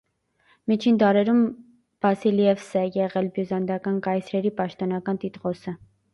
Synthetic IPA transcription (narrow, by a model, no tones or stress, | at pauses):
mit͡ʃʰind̪ɑɾɛɾum | v̥ɑsilijɛvsɛjɛʁɛlbjuzɑnd̪ɑkɑnkɑjt͡sʰɾɛɾipɑʃt̪ɔnɑkɑnt̪it̪ʁɔsə